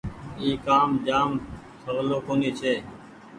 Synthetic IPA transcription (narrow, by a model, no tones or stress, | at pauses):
iːkaːmd͡ʒaːm | t̪ʰəɣloːkoːniːt͡ʃʰeː